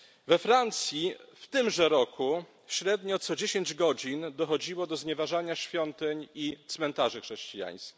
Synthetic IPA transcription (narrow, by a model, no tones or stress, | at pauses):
vɛfɾant̪sʲjift̪ɘmʐɛɾɔkʰu | ɕɾɛd̪ɲɔt̪sɔd͡ʑeɕeɲd͡ʑɡɔd͡ʑind̪ɔxɔd͡ʑiwɔd̪ɔzɲɛvaʐaɲaɕfʲjɔnt̪ɘɲit̪smɛnt̪aʐɘxʂɛɕt͡ɕija̰j̃skʲi̥